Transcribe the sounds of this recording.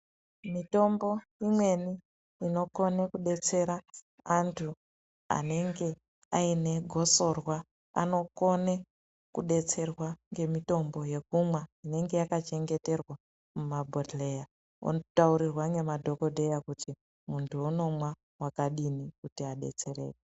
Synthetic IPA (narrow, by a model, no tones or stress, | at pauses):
mito̞mbo̞ | imwe̞ni | ino̞ko̞nekuɗe̞t͡se̞ɾaː | ntʰu | a̰ne̞ŋɡe̞ | aine̞ɡʱo̞so̞rwa | a̰no̞ko̞ne | kuɗe̞t͡se̞rwaŋɡe̞mito̞mbo̞je̞kumwaine̞ŋɡe̞jakat͡ʃe̞ŋɡe̞te̞rwa | mumabʱotle̞ja | ṵnotauɾirwaŋɡe̞madʱo̞ko̞dʱejakuti | muntʰuuno̞mwa | wakaɗinikutiaɗe̞̰t͡se̞re̞̰ːje